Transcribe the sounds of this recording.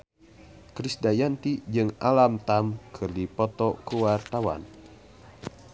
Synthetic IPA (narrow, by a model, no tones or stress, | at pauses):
kɾisdajant̪id͡ʒɨŋalamt̪amkʰɨrdipɔt̪ɔkəwart̪awa̰n